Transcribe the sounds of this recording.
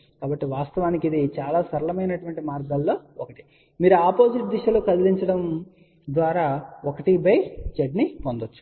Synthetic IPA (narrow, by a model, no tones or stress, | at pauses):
kaːbɐʈːiʋaːst̪ɐʋaːnikid̪it͡ʃaːlaːsɐɾɐlɐmɐjnɐʈuʋɐɳʈimaːɾɡɐlːo̞ːɔkɐʈi̥ | miːɾuaːpoːsiʈ̚d̪iʃɐlukɐd̪iliɲt͡ʃɐɽɐm | d̪ʋaːɾaːokɐʈibɐjd͡ʒeɖnipond̪ot͡ʃːu̥